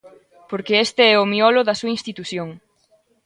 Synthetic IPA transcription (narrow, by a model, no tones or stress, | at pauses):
poɾkeest̪eɛʊmiɔloðɐsuɐĩnst̪it̪uθjoŋ